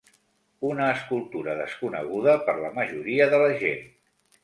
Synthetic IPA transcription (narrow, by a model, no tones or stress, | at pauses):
unəːskulˠt̪uɾəðəskunə̰ɣ̞uðəpəɾləməʒuɾiəðələʒen